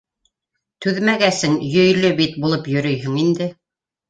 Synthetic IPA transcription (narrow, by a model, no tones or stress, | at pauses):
t̪ʉðmæɡæsɘŋjɵ̆jlɵbit̪̚bulˠɤpjɵ̆ɾɵjɦɘ̆ŋind̪ɘ